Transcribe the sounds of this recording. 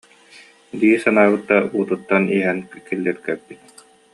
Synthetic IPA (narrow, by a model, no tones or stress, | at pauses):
d̪iːsanaːbɯt̪ːauːt̪ut̪ːaniɛɦɛnkilːɛɾkɛɾbit̪̚